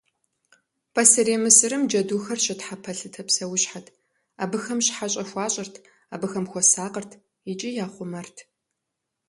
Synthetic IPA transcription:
pʰɐsɐɾeːmɨsɨrɨmd͡ʒɐduːxɐrʃɐtħapʰɐɬɨtʰɐpsɐwʊɕħatʰ | a̰ːbɨxɐmɕħaɕʼɐxʷɑːɕʼɐrtʰ | a̰ːbɨxɐmxʷɔsaːqərtʰ | it͡ʃʼijaːχʷʊmɐrtʰ

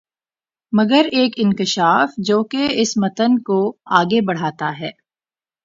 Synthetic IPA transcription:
mɐɡəɾeːkɪ̃ŋkɪʃaːfd͡ʒoːkeɪsmɐt̪ənkoaːɡebɐɽ̤aːt̪aɦɛː

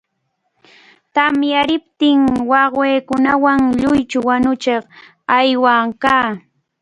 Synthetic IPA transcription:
t̪amjaɾɪpt̪ɪŋwɑχweːkʊnawaŋʎʊjt͡ʃʊwanʊt͡ʃeχ | ajwakaː

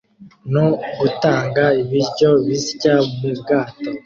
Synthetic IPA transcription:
noɡutaːŋɡaiβiɾɟo̞βisɟamibɡaːto

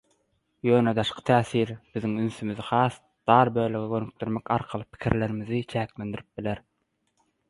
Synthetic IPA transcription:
jøːned̪ɑʃqʰɯ̥t̪ʰæːθiːɾb̥iðiŋynθymyðixɑːs | d̪̥ɑːɾbø̞ːløɣeɡønyk̚d̪yɾmekɑ̰ɾqʰɑlˠɯpʰi̥kʰḭɾle̞ɾimiðit͡ʃʰæːkle̞nd̪iɾip̚bileɾ

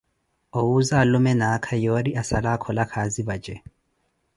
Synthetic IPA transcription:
ɔuzalɔmɛnakʰajɔɾiʔasalakʰɔlakʰaziβad͡ʒɛ

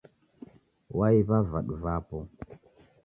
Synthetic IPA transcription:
waiβavaɗuvapɔ

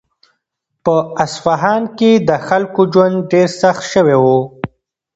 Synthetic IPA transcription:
pəasfaɦɑːnked̪əxalkod͡ʒwand̪ɖeɾsaxt̪ʃəwewo

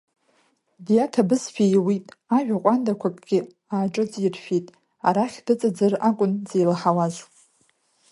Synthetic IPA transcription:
dijatʰabɨzfʰʲejwitʼaʒᶣaqʷʼandakʷʰakʼɡ̥ʲɪ | aːʈ͡ʂʼɨt͡sʼirfitʼ | aɾaχʲdɨt͡sʼad͡zɨrakʷʼʊnzejlħawaʒʷ

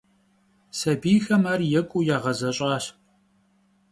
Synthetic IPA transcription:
sɐbiːxɐmaːrjɛkʷʼujaːʁɐzɐɕʼɑːɕ

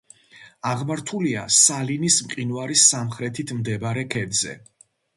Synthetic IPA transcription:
aʁmaɾt̪ʰulia̰salinismqʼinuaɾisːamχɾɛt̪ʰit̪ʰmd̪ɛbaɾɛkʰɛd̪zɛ̰

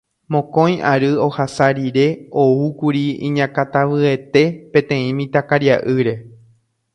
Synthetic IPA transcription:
mõ̞kõ̞j̃ʔaɾɨo̞hasaɾiɾe̞o̞ukuɾiĩɲãkat̪aʋɨe̞t̪e̞pẽ̞t̪ẽ̞ĩmĩt̪akaɾjaʔɨɾe̞

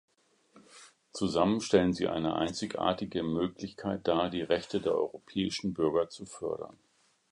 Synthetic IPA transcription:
t͡suzamənʃtɛlənzḭːʔa̰ɪnə̰ʔa̰ɪnt͡sɪçʔa̰ːɐtɪɡəmøːklɪçkʰaɪt̚d̥aːdiːʁɛçtədeːɐʔɔ̰ʏʁopʰɛːɪʃn̩bʏɐɡɐt͡sufœɐɾɐ̰n

